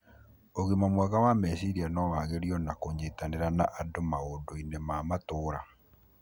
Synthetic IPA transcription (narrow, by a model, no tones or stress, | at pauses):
oɣemamwaɣawamɛsiɾianɔwaɣeɾiɔnakoːɲd͡ʑeːtaneɾanaʔadomaoːdoinemaːmatoːɾa